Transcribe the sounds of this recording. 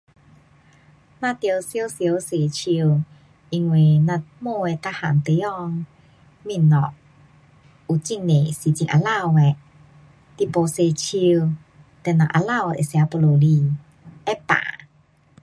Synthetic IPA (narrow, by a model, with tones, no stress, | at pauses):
nã˧t̪jə˧wsjə˦wsjse˨˩t͡ɕʰi˧w | ʔi˧ŋwe˨nã˧mo˥˧e˧˨t̪a˧ha˨˩˨nt̪e˨˧˦ɔ˥˧ŋ | mi˧˨nːɔ˨k̚ | u˨˩t͡ɕi˧˨nːe˨si˧t͡ɕi˧ŋʔa̰˧la˥˧we˨ | t̪i˧˨po˨˧se˨˩t͡ɕʰi˧w | t̪ɛ˧˩nã̰˨ʔa̰˧la˥˧wḛ˨sja˧po˧lo˨li˧ | ɛ˦pã̰˨